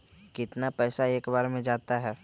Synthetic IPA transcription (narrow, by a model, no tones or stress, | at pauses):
kɪt̪napɛːsaeːkbaːɾmẽd͡ʒaːt̪aɦɛː